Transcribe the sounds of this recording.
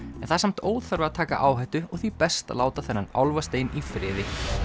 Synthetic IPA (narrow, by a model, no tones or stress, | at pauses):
ɛnθaðsam̥t̪oːwðfaɾvɪat̪ʰaːka̰ʔaːwɦajht̪ʏɔɣθipɛst̪a̰laːwt̪aθɛnːana̰wlvast̪eːjnifɾɪːðɪ